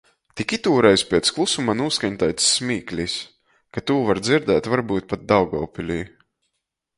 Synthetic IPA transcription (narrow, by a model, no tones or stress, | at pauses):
t̪ikit̪uːɾɛjzspʲɛt̪sklˠusumanuːskaɲt̪ajt̪sːmʲiːklʲis | kat̪uːvaɾd̪ziɾd̪ɛːt̪vaɾbuːt̪̚pat̪̚d̪awɡɔːpʲilʲiː